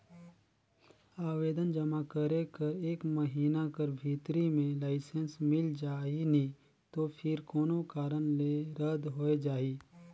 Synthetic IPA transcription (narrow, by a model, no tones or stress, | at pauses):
aːʋeːd̪ənd͡ʒəmakəɾekɐɾeːkməɦiːnakəɾbʱiːt̪ɾimẽlaːɪsənsmɪld͡ʒaːinĩ | t̪opʰɪɾkoːnokaːɾənleɾəd̪ɦoːed͡ʒaːiː